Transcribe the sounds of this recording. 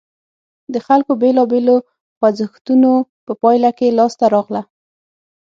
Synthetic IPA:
d̪əxalkobelɑbelo | xwazəxt̪unopəpɑjlakelɑst̪aɾɑɣla

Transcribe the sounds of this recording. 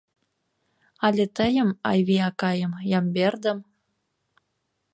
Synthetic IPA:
ɑlʲet̪əjə̆mɑjβiɑkɑjəmjɑmberd̪ə̆m

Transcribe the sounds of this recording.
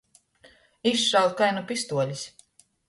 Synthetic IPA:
isʃawd̪̚kajnupʲist̪uɔlʲis

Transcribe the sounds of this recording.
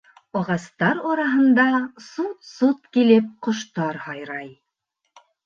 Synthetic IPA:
ɒʁɑst̪ɑɾɑɾɑɦɤ̆nd̪ɑsut̪sut̪̚kilɘp̚qŏʃt̪ɑɾhɑjɾɑj

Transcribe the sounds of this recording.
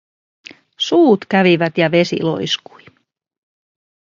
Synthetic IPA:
suːt̪kæʋiʋæt̪jɑʋe̞sḭlo̰isku̥j

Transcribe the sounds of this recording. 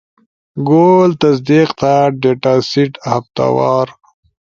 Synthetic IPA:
ɡolt̪ɐs̬d̪iqt̪ʰaɖeʈaːsiʈhaft̪a̰wɑːɾ

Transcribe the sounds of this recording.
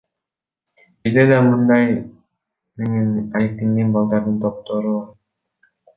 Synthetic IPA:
biɾd̪ed̪ɑmɯnd̪ɑj | meŋinæjet̪inɡ̪inbɑlˠd̪ɑɾd̪ɯnt̪ʰop̚t̪oɾu

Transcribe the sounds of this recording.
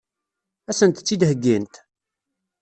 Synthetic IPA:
æsənt̪t͡sːid̪həɡːint̪

